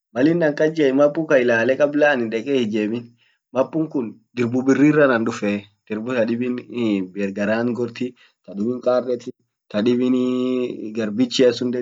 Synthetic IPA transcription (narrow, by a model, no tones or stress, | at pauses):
mɐlɪnːɐŋkʼɐd͡ʒeɪmɐpʼːʊkɐɪlaːlɛkʼɐblaːnɪnᶑɛkʼeːhɪd͡ʒeːbɪn | mɐpːʊŋkʊnd̪ɪɾbʊbɪrːiːrːɐnɐnᶑʊfɛːd̪̥ɪɾbʊt̪ɐᶑɪbɪnbeːɾɡɐɾaːŋɡɔɾt̪ɪ | t̪ɐɗɪbɪŋkʼaːrːɛt̪ɪ | t̪ɐᶑɪbɪn | ɡɐɾbɪt͡ʃːɪɐsʊnd̪ɛ